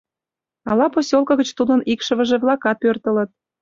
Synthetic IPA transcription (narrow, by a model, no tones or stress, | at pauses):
ɑlɑposʲolkɤ̆ɣə̆t͡ɕt̪ud̪ə̆nikʃə̆βə̆ʒĕvlˠɑkɑt̪̚pørt̪ə̆lə̆t̪̚